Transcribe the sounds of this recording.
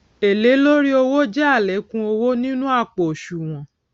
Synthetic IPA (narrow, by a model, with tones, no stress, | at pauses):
e˨le˨˦lo˦ɾi˦o˧wo˦d͡ʒɛ˦a˦˨lɛ˨˦kũ˦o˧wo˦nĩ˦nũ˦a˦˨k͡po˨ʃu˨w̃ɔ̃˨